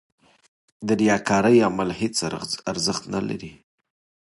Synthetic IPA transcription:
d̪əɾjɑkɑɾəjamalhet͡saɾzəxt̪nala̰ɾi

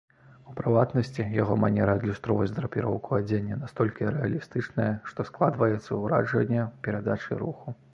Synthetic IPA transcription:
upɾɨvat̪nɐsʲt͡sʲijaɣɔmanʲɛɾɐd̪lʲust̪ɾɔvɐd͡zʲd̪ɾɐpʲiɾɔwkuad͡zʲenʲːɐnast̪ɔlʲkʲiɾɛalʲist̪ɨt͡ʂnɐjɐʂt̪ɔsklˠad̪vɐjɛt̪sːɐuɾa̰d͡ʐɐ̰nʲːɐpʲɛɾad̪at͡ʂɨ̰ɾuxu

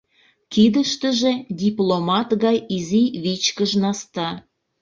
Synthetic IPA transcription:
kid̪əʃt̪əʒedʲiplomɑt̪ɣɑjiziβit͡ɕkəʒnɑst̪ɑ

